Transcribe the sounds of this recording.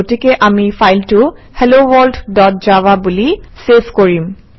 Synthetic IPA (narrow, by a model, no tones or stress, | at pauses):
otikɛʔamipʰajltʊhelowɔlddɔt̚d͡ʒawabuliseskoɹim